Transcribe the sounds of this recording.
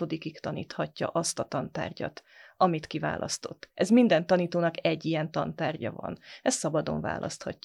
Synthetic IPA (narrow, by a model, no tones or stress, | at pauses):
o̞d̪ikikt̪ɒnḭːt̪hɒcːɒ̰ʔɒst̪ɒt̪ɒnt̪a̰ːrɟɒ̰t̪ɒmit̪kiva̰ːlʔɒ̰st̪o̞t̪ːɛzmind̪ɛnt̪ɒniːt̪oːnɒkɛɟːijɛnt̪ɒnt̪aːrɟɒvɒ̰nɛst̪sɒbɒd̪o̞̰ɱva̰ːlʔɒ̰st̪hɒcː